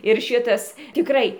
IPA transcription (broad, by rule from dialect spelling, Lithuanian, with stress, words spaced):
ɪr ˈʃʲɪtɐs tʲɪˈkrɐɪ